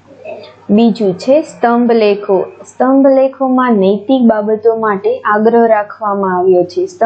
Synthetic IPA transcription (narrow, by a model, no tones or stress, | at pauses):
bid͡ʒũt͡ʃʰest̪əmbʱlekʰost̪əmbʱlekʰomãnəjt̪ik̚babət̪omaʈeʔaɡɾəɦɾakʰʋamãaʋjot͡ʃʰest̪